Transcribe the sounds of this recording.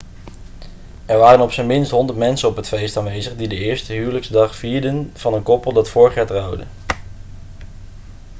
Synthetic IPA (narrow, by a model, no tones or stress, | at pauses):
ɛɹʋaːrənɔpsənmɪnstɦɔndəɹtmɛnsənɔpɦətfejstaːnʋejzəχdidəɪːɹstəɦyːwləkzdɑχfiːɹdənv̥ɑnənkɔpəlˠdɑtfʊːɹəχjaːtrʌwdə̰n